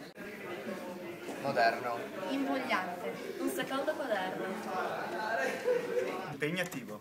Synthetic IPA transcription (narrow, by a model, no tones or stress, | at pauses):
mod̪ɛɾnoimboʎːãnt̪ɪũnsɐkald̪ɐkwaðɛɾnʊ | impeɲat̪ːivo